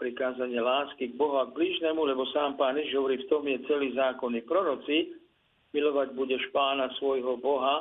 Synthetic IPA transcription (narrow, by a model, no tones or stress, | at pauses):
pɾikaːzaɲɪɛlaːskiɡ̚bɔɦuaɡ̚bliːʒnɛmulɛbɔsaːmpaːnjɛʒɦɔʋɔɾiːft̪ɔmjɛt͡sɛliːzaːkɔnipɾɔɾɔt͡si | milɔʋaɟbuɟɛʃpaːnasʋɔjɦɔbɔɦa